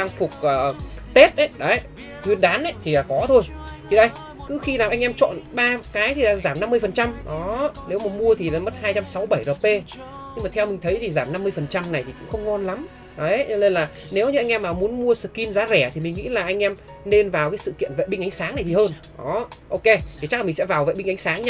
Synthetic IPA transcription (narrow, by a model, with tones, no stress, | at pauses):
ɗa˧ŋfʊ˨˩k͡p̚ʔəː˨˩t̪e˦˥t̚ʔə˨˦jɗa˨˦ | ki˧nɗaː˨˦nʔə˨˦jt̪ʰi˨˩aː˨˩kɔ˨˦t̪ʰo˧jt̪ʰi˨˩ɗə˧j | kɨ˨˦xi˧naː˨˩wʔa˧jŋ̟ʔɛ˧mt͡ɕɔ̰˧˨nɓaː˧kaː˨˦jt̪ʰi˨˩laː˧˥zaː˧˩mna˧mːɨ˧əjfə˨˩nt͡ɕa˧mɗɔ˨˦ne˨˦wmaː˨˩mu˧ət̪ʰi˨˩la̰ː˨˦mə˦˥t̚haː˧jt͡ɕa˧msa˨˦wɓə˧˩jzəː˨˩p̚pːe˧ | ɲɨ˧ŋmaː˨˩t̪ʰɛ˧wmï˨˩ŋ̟t̪ʰə˨˦jt̪ʰi˨˩zaː˧˩mna˧mːɨ˧əjfə˨˩nt͡ɕa˧mna˨˩jt̪ʰi˨˩kʊ̰˧˥ŋ͡mxə˧wŋ͡mŋɔ˧nla˨˦m | ɗɔ˨˦zɔ˧ne˧nlaː˨˩ | ne˨˦wɲɨ˧a˧jŋ̟ʔɛ˧mːaː˨˩mu˨˦ənmu˧əsɨ̰˧˨˩ki˧nzaː˨˦zɛ˧˩t̪ʰi˨˩mi˨˩ŋ̟ŋḭ˧˥laː˨˩ʔa˧jŋ̟ʔɛ˧m | ne˧nvaː˨˩wkaː˨˦jsɨ̰˧˨kḭ˧˨ənvḛ˧˨jɓï˧ŋ̟ʔa˨˦ŋ̟saː˨˦ŋna˨˩jt̪i˨˩həː˧n | ʔɔ˨˦ʔo˧wke˧t̪ʰi˨˩t͡ɕa˦˥k̚laː˨˩i˨˩sɛ̰˧˥vaː˨˩wvḛ˧˨jɓi˧ŋʔa˨˦ŋ̟saː˨˦ŋɲa˧